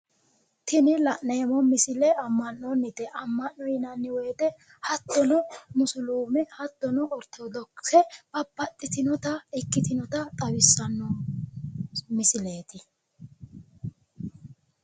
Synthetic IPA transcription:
t̪ɪnɪlɐʔneːmɔmɪsɪlɛɐmːɐnːɔnːɪt̪ɛʔɐmːɐnːɔjɪnɐnːɪweːt̪ɛ | hɐt̪ːɔnɔmʊsʊluːmɛhɐt̪ːɔnɔɔɾt̪ʰːod̪ɔksɛb̥ɐbɐt̪ʼːɪt̪ɪnɔt̪ɐɛkːɪt̪ɪnɔt̪ɐt̪ʼɐwɪsːɐnːɔ | mɪsɪle̞ːt̪ɪ

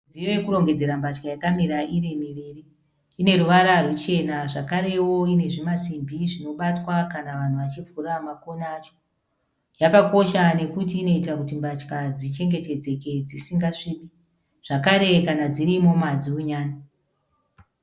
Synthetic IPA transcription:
d͡zijo̞jekuɾo̞ŋɡe̞d͡ze̞ɾambat͡ʃkajakamiɾaʔiʋemiʋiːriː | ne̞ruʋaɾarut͡ʃe̞naʐakaɾe̞wo̞ine̞ʐimasimbʱiʐino̞ɓatwakanaʋan̤uʋat͡ʃivuɾamakonaːt͡ʃo̥ | jakako̞ʃane̞kutiːno̞itakutimbat͡ʃkad͡zit͡ʃe̞ŋɡe̞te̞d͡ze̞ke̞d͡zisiŋɡaʂiɓi | ʐ̥akaɾe̞kanad͡ziɾimo̞mad͡ziuɲaːna

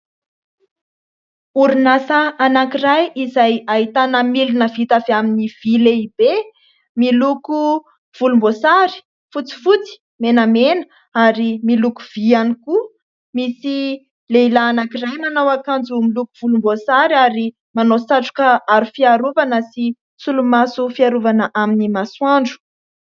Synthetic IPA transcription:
uɾunasəanakiɾajizaj̪aɦit̪anəmilinəvit̪aveaminiv̥ileib̥e | miluku | v̥ulumbosaɾi̥ | fut͡si̥fut͡si̥ | menamenə | aɾimilukuv̥ianiku | misi | leilaːnakiɾajmanawakand͡zumiluku̥v̥ulumbosaɾiaɾi | manosaʈ͡ʂu̥kəaɾufiaɾuvanəsi | sulumasufiaɾuvanəʔaminimaswaɳɖ͡ʐu̥

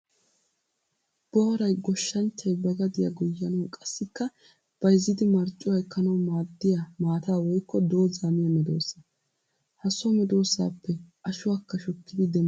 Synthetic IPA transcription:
b̥ɔhɔɾɐjɡɔʃːɐnt͡ʃːɐjbɐɡɐd̪ɪja̰ɡɔjːɐnɔkʼɐsːɪkːɐ | b̥ɐjɪzːɪd̪ɪmɐɾt͡ʃʼʊwɐjkʰɐnɐwmaːd̪ːɪjamaːt̪aːwɔjkːɔd̪o̞ːzaːmɪjɐmɛd̪oːsːɐ | hɐsɔmɛd̪o̞ːsa̰ːpːɛʔɐʃʊwakːɐʃɔkːɪd̪ɪd̪ɛm

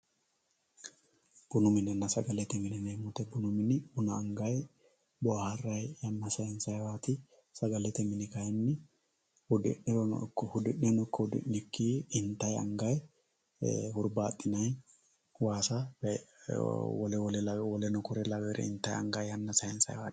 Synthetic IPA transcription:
b̥ʊnʊmɪnɛnːɐsɐɡɐlɛt̪ɛmɪnɪnɛmʊt̪ɛbʊnʊmɪnɪbʊnɐːŋɡɐj | bɔhɐrːɐjjɐnːɐsɐjɛnsɐjwaːt̪ɪ | sɐɡɐlːɛt̪ɛmɪnɪkɐjɛnːɪ | hʊd̪ɪ̰nːɪɾɔnɔ̰kːɔhʊd̪ɪʔɛnɔkːɔhʊd̪ɪ̰nːɪkːiːɪnt̪ːɐjɐ̰ŋɡɐj | hʊɾbaːt̪ʼːɪnɐj | waːsɐ | wɔlɛwɔlɛlwɔlɛnɔkɔɾɛlɐwɛɾɛ̰ɪnt̪ːɐjɐ̰ŋɡɐjɐnːɐsɐjɛnsɐ̰jwa̰ːt̪

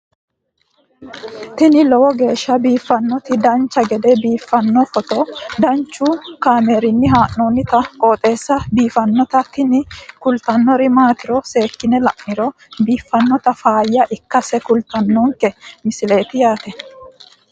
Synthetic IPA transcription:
t̪ɪnɪlɔwɔɡe̞ːʃːɐbiːfːɐnːɔt̪ɪd̪ɐnt͡ʃːɐɡɛd̪ɛbiːfːɐnːɔfɔt̪ɔd̪ɐnt͡ʃːukaːmeːɾɪnːɪɦaːʔnonːɪt̪ɐkʼoːt̪ʼe̞ːsːɐbiːfɐnːɔt̪ɐt̪ɪnɪkʊlt̪ɐnːɔɾɪmaːt̪ɪɾɔse̞ːkːɪnɛlɐʔːɪɾɔ | biːfːɐnːɔt̪ɐfaːjːɐʔɪkːɐsɛkʊlt̪ɐnːɔŋkɛmɪsɪleːt̪ɪjaːt̪ɛ

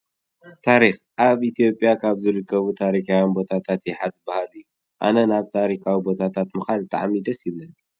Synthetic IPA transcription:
t̪ʰaɾix | ʔaβʔit̪ʰijo̞pʼjakʰaβzɨɾɨkʰːɐβut̪ʰaɾikawinbo̞t̪ʰat̪ʰat̪jɛħat̪zɨbahalɨju | ʔa̰nɐnaβt̪ʰaɾikʰawibo̞t̪ʰat̪ʰat̪mɨxalbɨt̪ʼa̰ʕmid̪ɐsilnɐn

